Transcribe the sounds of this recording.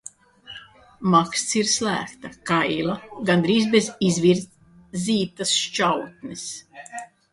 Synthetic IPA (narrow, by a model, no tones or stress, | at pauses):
makst̪siɾslæ̰ːkt̪akajlˠaɡand̪ɾiːzbezizviɾt̪ | ziːt̪asʃt͡ʃawt̪nis